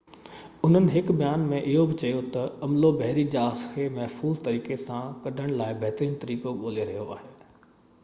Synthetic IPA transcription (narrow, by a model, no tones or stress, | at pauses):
ʊn̤ənɪ̆ɦɪkbɐjaːnmẽʔɪɦobɪt͡ɕɐjot̪ɐɐmlobɐɦɾid͡ʑaːskʰeːmɐɦfuːzt̪ɐɾiːkesãkɐɖʱəɽ̃laːɪbʱɛɦt̪ɾĩːñt̪ɐɾiːkoɓoːleɾɐɦijoaːɦeː